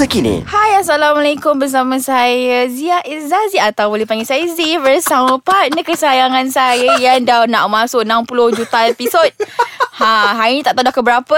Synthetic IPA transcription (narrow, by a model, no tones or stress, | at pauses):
əkinḭhajas̬alamalekʊmbərs̬amãsajəziaʔizaziaʔat̪awbolɛhpaŋɡesaəzivəsaməpanəkəsajaŋãnsajəjandana̰ʔmasʊkənampulʊhd͡ʒut̪aepisɔt̚hãɦaɾiɲĩt̪aʔt̪adahkəbəɾapə